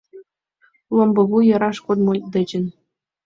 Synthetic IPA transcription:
lˠŏmbɤ̆βujɤ̆ɾɑʂkod̪molʲd̪ə̆d͡ʑɘ̆n

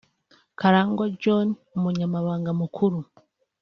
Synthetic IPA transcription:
kʰaɾaːŋɡod͡ʒon | umuɲamaβaːŋɡamukʰuɾu

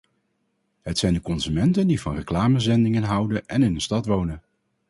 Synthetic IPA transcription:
ɦətsɛjndəkɔnzymɛntəndivɑnrəklaːməzɛndɪŋənɦʌwdənɛnɪnənstɑtʋownən

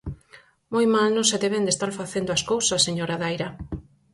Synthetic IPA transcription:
mojmalnõŋseðeβend̪est̪aɾfaθend̪ʊaskowsɐsːeɲoɾaðajɾɐ

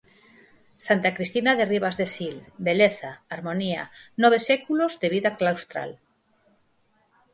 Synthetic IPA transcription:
sant̪akɾist̪inaðeriβ̞azðesilbeleθaːɾmonia̰noβ̞esekulozðeβiðaklawst̪ɾa̰l

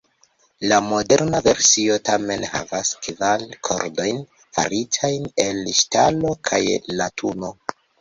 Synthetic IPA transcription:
lamo̞de̞ɾnave̞ɾsio̞tame̞nha̰vaskvalkʰo̞̰ɾdo̞jn | fa̰ɾitʰajne̞lʃtalo̞kʰajlatʰuno̞

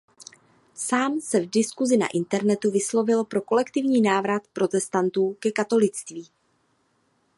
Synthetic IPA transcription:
saːmsɛvdɪskuzɪna̰ʔɪnt̪ɛɾnɛt̪uvɪslo̞vɪlpɾo̞ko̞lɛkt̪ɪvɲiːnaːvɾat̪pɾo̞t̪ɛst̪ant̪uːkɛkat̪o̞lɪt͡st̪viː

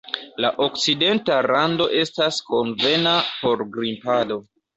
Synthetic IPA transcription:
laʔo̞k̚t͡side̞ntaɾando̞ʔe̞stasko̞nve̞napo̞ɾɡɾimpado̞

